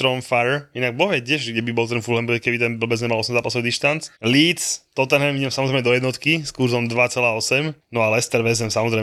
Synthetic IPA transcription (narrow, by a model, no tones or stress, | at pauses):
t̪ɾɔmfaɛɾinaɡ̚bɔʋɛtɪɛʒɡɟɛbibɔlt̪ɛnfulɦɛmbɾɛkɛbit̪ɛnbl̩bɛzɲɛmalɔsɛmzaːpasɔʊd̪iʃt̪ant͡sliːt͡st̪ɔt̪ɛnɦɛmiɟɛmsamɔzɾɛɪmɛd̪ɔjɛd̪nɔt̪kiskuɾzɔmd̪ʋat͡sɛlaːɔsɛmnɔalɛst̪ɛɾʋɛzɛmsamɔzɾɛ